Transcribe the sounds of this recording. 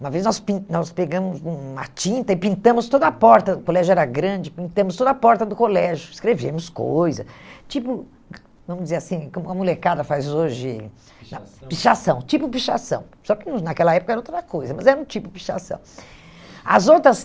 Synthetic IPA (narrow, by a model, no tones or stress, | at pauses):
ũmɐveznɔspĩnɔspeɡɐ̃mʊzũɐ̰t͡ʃĩnt̪ɐɪpĩnt̪ɐ̃mʊst̪od̪ɐɐpɔɾt̪ɐʊkolɛʒʊɛɾɐɡɾɐ̃d͡ʒɪpĩnt̪ɐ̃mʊst̪od̪ɐpɔɾt̪ɐd̪ʊkolɛʒʊɪskɾevẽmʊsko̰jzɐ̰st͡ʃipʊ | vɐ̃mʊzd͡ʒɪzeɾasĩkõmʊɐmulekad̪ɐfajzoʒɪ | nɐ̃piʃasɐ̃w̃t͡ʃipʊpiʃa̰sɐ̰̃w̃sɔkɪñnakɛlɐɛpʊ̥kɐɛɾɐot̪ɾɾɐkojzɐmɐzɛɾɐũt͡ʃipʊpi̥ʃa̰sɐ̰̃w̃ | ɐ̰zowt̪ɾɐs